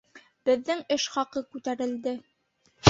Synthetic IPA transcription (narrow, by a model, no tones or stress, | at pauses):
bɘ̆ðːɘŋɘʃχɑqɤkʉt̪æɾɘ̆ld̪ɘ